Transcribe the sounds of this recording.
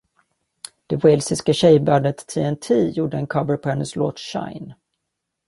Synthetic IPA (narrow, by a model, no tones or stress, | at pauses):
d̪̥ɛvɛlsɪskaɕɛjbœːɖət̪ːʰiːɛnt̪ʰiːjuːɖəɛnkʰɑvəɾpʰɔhɛnːəslo̰ːt̪ɕa̰ɪn